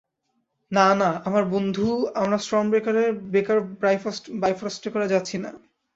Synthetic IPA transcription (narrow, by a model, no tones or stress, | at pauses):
nanaamaɾbond̪ʱuamɾasʈɾɔmbɾekaɾeɾbekaɾbajbajfɾasʈekɔɾad͡ʑatːɕʰina̰